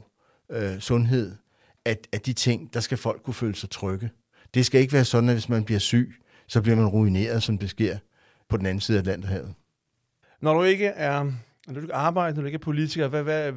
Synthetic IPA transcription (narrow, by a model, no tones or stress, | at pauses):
sɔ̽nɦe̝ð̰ˠ | ææd̥it͡sʰe̝ŋ̰d̥ɑ̈sɡ̥æfɒ̽l̰ɡ̥̚kʰːuføːləsɑ̈ɪt͡sʰʁœɡ̥ə | d̥e̝sɡ̥æe̝ɡəʋæːɐsɒ̽d̥n̩æʋe̝smænb̥liɐsy̰ː | sɒ̽b̥liɐ̰mænʁuine̝̰ːɐð̞ˠsɒ̽md̥e̝sɡ̥e̝ɐ̰ | pʰɒ̽d̥en̩æn̩sið̩̥ˠlæn̰d̥ɐhɛ̰ːʊð̩ˠ | nɒɾ̥ue̝ɡ̥əʔæɐ | du̥e̝ɡɑ̈ːb̥ɑ̈ɪ̰dənɔdɾue̝ɡ̥ɐpʰo̝lit͡sʰiɡ̥ɐʋæʋæ